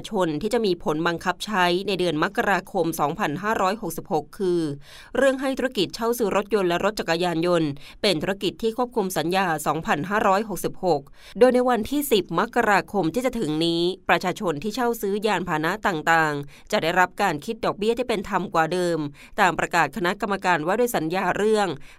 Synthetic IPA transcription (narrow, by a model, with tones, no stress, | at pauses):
t͡ɕʰo˧nt̪ʰiː˥˩t͡ɕa˨˩ʔmiː˧pʰo˩˦nba˧ŋkʰa˦˥p̚t͡ɕʰa˦˥jna˧jdɯ˧ənma˦˥kːa˧ɾaː˧kʰo˧msɔː˩˦ŋpʰa˧nɦaː˥˩ɾɔː˦˥jɦo˨˩k̚si˨˩p̚ho˨˩kʰːɯː˧ | ɾɯ˥˩əŋɦa˥˩jt̪ʰu˦˥ɾa˥ki˨˩t̪̚t͡ɕʰa˥˩wsɯː˦˥ɾo˦˥t̪̚jo˧nlɛ˦˥ɾo˦˥t̪̚t͡ɕa˨˩kːa˧jaː˧njo˧npe˧nt̪ʰu˧˥a˥ki˨˩t̪ʰːiː˥˩kʰu˥˩p̚kʰu˧msa˩˦njaː˧sɔː˩˦ŋpʰa˧nɦaː˥˩ɾɔː˦˥jɦo˨˩k̚si˨˩p̚ho˨˩k̚ | doː˧jna˧jwa˧nt̪ʰiː˥˩si˨˩p̚ma˦˥kːa˧ɾaː˧kʰo˧mt̪ʰiː˥˩t͡ɕa˨˩t̪ʰɯ˩˦ŋniː˦˥pɾa˧t͡ɕʰaː˧t͡ɕʰo˧nt̪ʰiː˥˩t͡ɕʰa˥˩wsɯː˦˥jaː˧npʰaː˧na˦˥t̪aː˨˩ŋt̪aː˨˩ŋ | t͡ɕa˨˩ʔda˥˩jɾa˦˥p̚kaː˧nkʰi˦˥t̪̚dɔː˨˩k̚bi˥˩ət̪ʰiː˥˩pe˧nt̪ʰa˧mkwaː˨˩dɤː˧m | t̪aː˨˩mpɾa˧kaː˨˩t̪̚kʰa˧na˦˥ka˧mːa˧kaː˧nwaː˥˩du˥˩˨jsa˩˦njaː˧ɾɯ˥˩əŋ